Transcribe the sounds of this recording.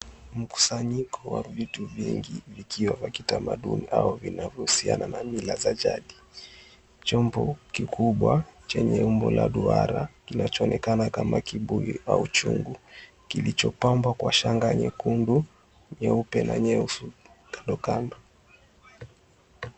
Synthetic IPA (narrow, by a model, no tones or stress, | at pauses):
m̩ku̥saɲikʰɔwavituviŋɡivikʰiwavakitamaɗuniʔaɔvinavjɔhusia̰nanamilazad͡ʒaɗi | t͡ʃɔmbɔkikʰuɓwat͡ʃɛɲɛumbɔlaɗuaɾakinat͡ʃɔɔnʔɛkanakamakiɓuiaut͡ʃuŋɡu | kilit͡ʃɔpambwakwaʃaŋɡaɲɛkundu | ɲɛupɛnaɲɛusu | kandɔkandɔ